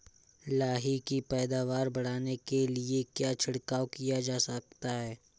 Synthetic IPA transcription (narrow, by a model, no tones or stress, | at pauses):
laːɦikipɛːd̪aːʋaːɾbɐɽ̤aːnekeliekjaːt͡ʃʰɪɽkaːokijad͡ʒaːsɐk̚t̪aɦɛː